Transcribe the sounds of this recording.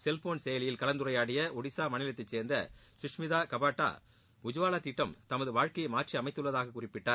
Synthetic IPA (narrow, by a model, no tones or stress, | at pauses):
sɛlfoːnsɛjɐlɪjɪlkɐlɐnd̪ɯɾɐjaːɽɪjɐʔɔɽɪsaːmɐɳɪlɐt̪ːɐɪt͡ʃseːɾnd̪ɐ̰ʃɪʂmɪðaːkɐbaːʈːa̰ː | ʊd͡ʒʊʋaːlaːt̪ːiːʈːɐmt̪ɐmɐðɯʋaːɻkɐjɐmaːʈt͡ʃiɐmɐɪt̪ːɯɭːɐðaːɣɐkːʊrɪpːɪʈːaː